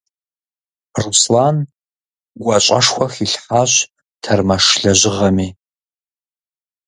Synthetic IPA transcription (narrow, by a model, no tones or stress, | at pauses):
ruslan | ɡʷɐt͡ʃʷʼɐʂxʷɐxiɬħaːɕ | tʰɐrmɐʂɮɐʑʷɪʁɐmiː